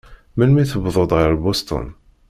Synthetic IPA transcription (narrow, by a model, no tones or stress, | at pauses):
məlmiθəbðˤod̪ˤʁəɾbost̪ˤo̰n